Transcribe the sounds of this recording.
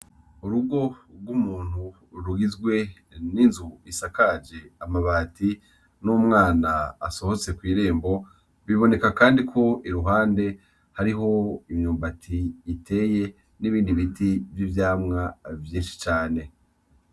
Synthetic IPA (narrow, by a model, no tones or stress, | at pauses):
uɾuɡo̞ɡwumuːn̥hu | ɾuɡizɡwe̞ | ninzuisakad͡ʒe̞amaβaːti | numŋaːna̰ːso̞ho̞t͡se̞kwiːɾe̞ːmbo̞ | βiβo̞ne̞kakaːndikʰo̞iɾuɦaːnde̞ | haɾiɦo̞imɲuːmbatʰiːtʰe̞ːje̞ | niβiːndiβitivjivjaːmŋavjiːnʃi̥t͡ʃaːne̞